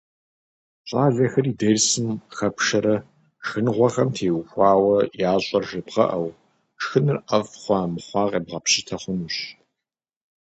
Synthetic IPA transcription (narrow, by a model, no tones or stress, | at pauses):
ɕʼaːʒɐxɐriːdɐrsɨmxɐpʂɐɾɐ | xɨnʁʷɔχɐmtʰeːwxʷɑːwɐjaːɕʼɐrʒɨbʁɐ̰ʔɐw | xɨnɨrʔɐfχʷɑːmɨχʷɑːqʼḛːbʁɐpɕɪtʰɐχʷʊnuɕ